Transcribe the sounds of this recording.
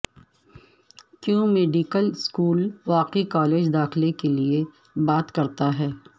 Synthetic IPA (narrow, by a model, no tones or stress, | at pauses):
kjõːmeːɖikəlskuːlʋaːqikaːleːd͡ʒd̪aːxlekelie | baːt̪kɐɾt̪aɦɛː